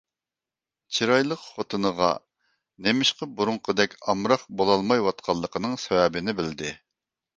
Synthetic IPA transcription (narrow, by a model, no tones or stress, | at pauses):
t͡ʃʰiɾɑjlˠəqχot̪ʰɨnəʁɑ̰ | nemɪʃqəbuɾuŋqʰəd̪ɛkʲɑmɾɑχbolˠɑlˠmɑjwɑt̪̚qʰɑlˠːəqʰənɨŋsɛwɛbɪnɪbɪld̪ɪ